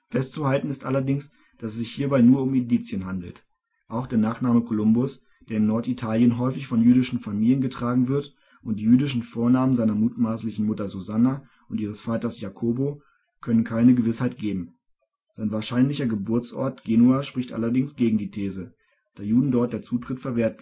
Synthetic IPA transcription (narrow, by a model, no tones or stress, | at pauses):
fɛstt͡suhaltn̩ɪstʔalɐdɪŋs | d̥asɛsz̥ɪçhiːɐbaɪnuːɐʊmɪndiːt͡sjənɦandl̩t | ʔaʊxd̥eːɐnaːχnaːməkʰolʊmbʊs | d̥eːɐɪmnɔɐtitʰaːljənɦɔʏfɪçfɔnjyːdɪʃn̩famiːljənɡətʁ̥aːɡŋ̩vɪɐt | ʔʊnt̚d̥iːjyːdɪʃn̩foːɐnaːmənzaɪnɐmuːtmaːslɪçn̩mʊtɐzuzana | ʔʊntʔiːʁ̞əsfaːtɐsjakʰoːbo | kʰœnənkʰaɪnəɡəvɪshaɪt̚ɡ̥eːbm̩ | z̥aɪnvaːɐʃaɪnlɪçɐɡəbʊɐt͡sʔɔ̰ɐtɡ̥eːnuaːʃpʁ̥ɪçtʔa̰lɐdɪŋsɡ̥eːɡŋ̩diːtʰeːzə | d̥aːjuːdn̩dɔɐt̚d̥eːɐt͡suːtʁ̥ɪtfɛɐveːɐt